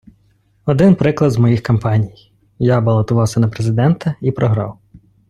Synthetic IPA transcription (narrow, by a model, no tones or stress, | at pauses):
ɔd̪ɪnpɾɪklˠɐd̪zmɔjixkɐmpɑnʲij | jabɐlˠɐt̪ʊʋɑwsʲɐnɐpɾezɪd̪ɛnt̪ɐipɾɔɦɾɑ̰w